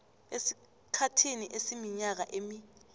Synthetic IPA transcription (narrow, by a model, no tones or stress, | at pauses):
esi̥ | kʰatʰiniʔesimiɲak̬aʔemi